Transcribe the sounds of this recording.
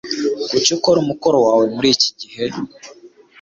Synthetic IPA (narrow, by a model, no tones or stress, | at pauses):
kucukoɾumuko̞ɾo̞waːwe̞muɾiːci̥ɟihe̞